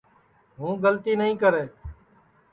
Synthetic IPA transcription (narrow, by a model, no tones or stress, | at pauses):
ɦũːɡəlt̪iːnəɦĩːkəɾeː